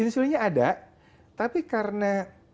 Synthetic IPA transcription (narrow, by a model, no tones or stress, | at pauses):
ɪnsuɾiɲaːdaʔ | t̪apikaɾəna